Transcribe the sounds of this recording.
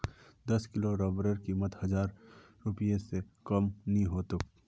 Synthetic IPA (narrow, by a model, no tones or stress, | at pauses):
d̪ɐskɪloɾɔːbɾəɾkimət̪hɐd͡ʒaːɾː | ʊpijesekəmnĩɦoːt̪ʊk